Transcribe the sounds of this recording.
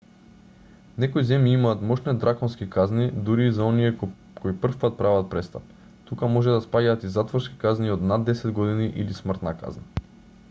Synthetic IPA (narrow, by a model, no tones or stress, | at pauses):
nɛkoizɛmjiimaːt̪mɔʃnɛd̪ɾakɔnskikaznid̪uɾiːzaɔnijɛ | kʰoipr̩fpat̪̚pɾavat̪̚pɾɛst̪ap̚ | t̪ukamɔʒɛd̪aspaɟaːt̪izat̪vɔɾski̥kazniod̪nad̪ːɛsɛd̪ɡɔd̪iniʔilismr̩t̪naka̰zna